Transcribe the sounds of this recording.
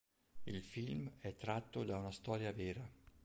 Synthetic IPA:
ilfilmɛt̪ːɾat̪ːod̪aunast̪ɔːɾjavɛːɾa

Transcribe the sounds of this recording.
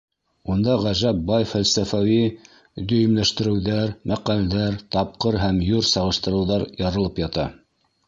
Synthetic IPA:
und̪ɑʁæʒæp̚bɑjfælsæfæwi | d̪ɵ̆jɘ̆mlæʃt̪ɘ̆ɾɘ̆wðæɾmæqæld̪æɾt̪ɑp̚qɤɾɦæmjuɾsɑʁɤ̆ʃt̪ɤ̆ɾɤ̆wðɑɾjɑɾɤ̆lˠɤpjɑt̪ɑ

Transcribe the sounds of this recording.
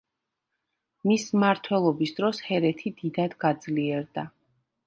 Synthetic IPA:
mismaɾt̪ʰwɛlˠɔbisd̪ɾɔshɛɾɛt̪ʰid̪id̪ad̪ɡad̪zliɛɾd̪a

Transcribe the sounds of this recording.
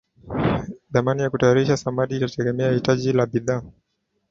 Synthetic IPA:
ðamanijakutajaɾiʃasamaɗiːtatɛɡɛmɛahitaʄilaɓiðaː

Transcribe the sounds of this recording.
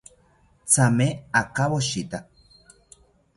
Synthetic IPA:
t͡sameakaβoʃit̪a

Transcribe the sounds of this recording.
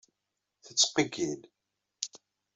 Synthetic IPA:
θət͡sːqəɡil

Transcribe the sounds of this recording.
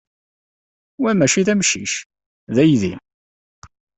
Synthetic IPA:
wæmæʃiðæmʃḭʃ | ðæjðḭ

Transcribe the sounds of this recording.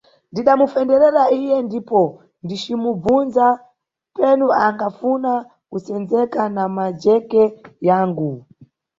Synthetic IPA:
ndiɗamufɛndɛɾɛɾaijɛndipɔ | ndit͡ʃimub͡vunza | pɛnuaŋɡafuna | kusɛnd͡zɛkanamad͡ʒɛkɛjaːŋɡu

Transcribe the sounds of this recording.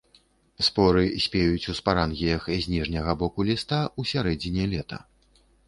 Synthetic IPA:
spɔɾɨsʲpʲejut͡sʲuspaɾanɣʲijɐxzʲnʲiʐnʲɐɣɐbɔkulʲist̪ausʲaɾɛd͡zʲinʲɛlʲɛt̪ɐ̰

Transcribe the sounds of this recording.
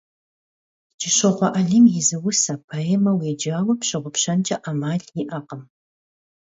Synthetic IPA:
d͡ʒɪɕɪʁʷɔʔɐɮimjɪzɨwʊsɐpʰaemɐweːd͡ʒaːwɐpɕɪʁʷʊpɕɐnt͡ʃʼɐʔamaːɮjiʔaqəm

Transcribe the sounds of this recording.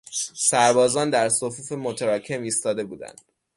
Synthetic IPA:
sæɾbɒːzɒːnd̪æɾsofuːfemot̪ʰæɾɒːcʰe̞miːst̪ɒːd̪e̞buːd̪æ̰nd̪̥

